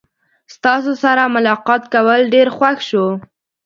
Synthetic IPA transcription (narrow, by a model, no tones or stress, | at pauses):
st̪ɑsosaɾamʊlɑqɑt̪kawəlɖeɾxwaxʃo